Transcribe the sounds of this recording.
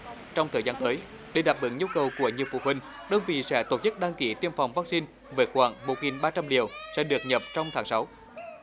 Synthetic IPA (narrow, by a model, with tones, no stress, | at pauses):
t͡ɕɔ˧wŋ͡mt̪ʰəː˨˩zaː˧nt̪əː˨˦j | ɗe˨˩ɗaː˨˩p̚ɓə˧˩˦ŋɲu˧wkə˨˩wku˧˩əɲi˨˩əwfṵ˧˨ɦwï˨˩ŋ̟ | ɗəː˧nvḭ˧˨sɛ̰˧˥t̪o˧˩t̚ɲə˦˥t̚ɗaː˧ŋki˧˩t̪i˧əmfa˨˩wŋ͡mvaː˦˥k̚si˧n | veː˨˦xwaː˧˩ŋmo˨˩t̚ŋi˨˩nɓaː˧t͡ɕa˧mli˨˩əwsɛ̰˧˥ɗɨ˨˩ək̚ɲə˨˩p̚t͡ɕɔ˧wŋ͡mt̪ʰaː˨˦ŋsa˨˦w